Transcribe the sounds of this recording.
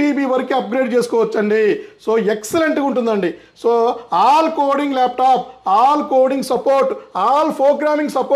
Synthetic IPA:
iːbiːʋɐɾikiɐp̚ɡɾeːɖ̚t͡ʃeːsu̥kɔːʋɐt͡ʃːɐɳɖiso̞ːekseleɳʈɡɐuɳʈ̬und̪ɐɳɖi | soːaːlkoːɽiŋɡlaːp̚ʈaːp̚aːlkoːɖiŋɡsɐpoːɾʈaːlpʰoːɾɡɾaːmĩŋɡsɐpoː

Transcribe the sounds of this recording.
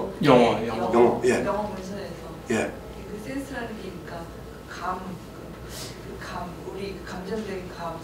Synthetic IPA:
jʌŋʌjʌŋʌjʌŋʌjejʌŋɦʌmunsʰʌnesʰʌje | kekɯs͈ʰensʰɯɾɦanɯɡeɲik͈a | ɯkamkɯ | kɯkʰam | uɾikɯkamd͡ʑʌndeɡkam

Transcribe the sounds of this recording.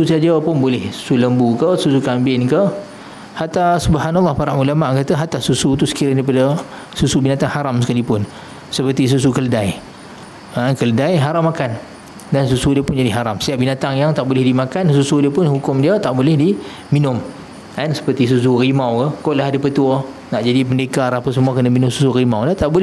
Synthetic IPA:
ususad͡ʒəpʊnbolɛhsu̥suləmbukəsusukambɪnkə | hat̪asubəɦanalːɑhpaɾaʔulamaʔkat̪əɦat̪asusut̪̬usə̥kiɾandaip̬adə | susubinat̪aŋhaɾamsəkalipʊn | səpərt̪is̬us̬ukələdaj | ankələdajɦaɾamːakan | dansusudiəpʊnd͡ʒadiɦaɾamsə̥t̪iaʔ̚binat̪aŋjaŋt̪aʔbolɪhdimakansusudiəpʊnhukʊmdiət̪aʔbolɛhdi | minʊm | ansə̥pərt̪is̬us̬urimawkəkoʔlaɦdəpət̪uə | naʔd͡ʒadipəndekarapəsəmuakənəminʊ̃msusurimawlat̪aʔbol

